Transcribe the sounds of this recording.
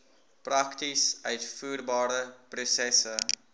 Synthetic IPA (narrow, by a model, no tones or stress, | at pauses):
prɐktisœɥtfuːrbɑːɾəprosɛsə